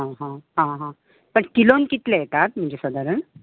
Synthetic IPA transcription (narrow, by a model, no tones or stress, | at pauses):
ɦãɦãɦãɦã | pəɳkilonkit̪leek̪at̪m̤əɳd͡ʑesəd̪aɾəɳ